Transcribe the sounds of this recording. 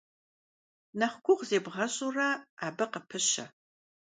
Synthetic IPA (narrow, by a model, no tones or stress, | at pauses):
nɐχʷɡʷʊʁzeːbʁɐɕʼurɐaːbɨqəpʰɨɕɐ̰